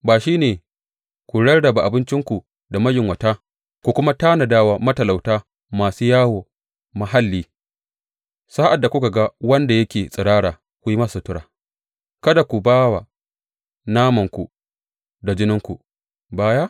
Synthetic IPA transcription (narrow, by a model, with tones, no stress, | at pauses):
baː˨ʃiː˦neː˨ | kʷu˨ɽɐ˦rdɐ˨ba˨ʔa˨bɪ˦nt͡ʃɪ˦ŋkʷu˨ | da˨mɐ˦jɪ˨ŋwɐ˨taː˦ | kʷu˨kʷʊ˦ma˦taː˦na˨daː˦waː˨mɐ˦tɐ˨la˨wtaː˦ | maː˨suː˦jaː˦woː˨ | mɐ˨ɦa˦lːiː˦ | saː˦ʔa˨dːa˨kʷʊ˦ka˨ɡa˦wɐ˦nda˨jɐ˦kʲeː˨sʼɪ˨ɽaː˦ɽaː˨ | kʷu˨ji˦ma˦su˨tʊ˦ɽaː˨ | kɐ˦da˨kʷu˨baː˦wa˨ | naː˦mɐ˨ŋkʷu˨ | da˨d͡ʒɪ˦nɪ˦ŋkʷu˨ | baː˦ja˦